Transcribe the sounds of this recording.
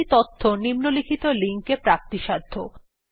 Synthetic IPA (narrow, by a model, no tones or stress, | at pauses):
it̪ot̪ʰːonimnolikʰit̪oliŋkepɾap̚t̪iʃad̪ʱːo